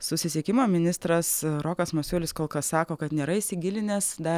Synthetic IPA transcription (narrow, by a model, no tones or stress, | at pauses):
sʊsʲɪsʲieɛkʲɪmoːmʲɪnʲɪst̪ɾɐsɾoːkɐsmosʲuːlʲɪskoːlˠkɐsːɑːkoːkɐt̪nʲeːɾɐiːsʲɪɡʲɪlʲɪnʲeːsd̪ɐ